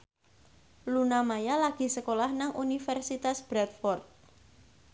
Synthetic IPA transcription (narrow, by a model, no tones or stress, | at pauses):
lunamajalaɡ̥i̤səkolahnaŋʔunifɛrsit̪asb̥ɾɛt̪̚fɔrt̪̚